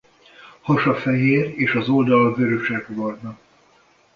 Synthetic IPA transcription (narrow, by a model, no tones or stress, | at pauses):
hɒʃɒfɛɦeːreːʃɒzo̞ld̪ɒlvøɾøʃɛɡvɒrnɒ